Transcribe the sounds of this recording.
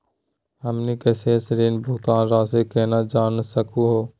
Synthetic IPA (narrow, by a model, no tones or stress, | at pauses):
əmniːkəseːsəɾiːnbʱʊkt̪aːnɾaːseːkeːnaːd͡ʒaːnsəkʰũːɦoː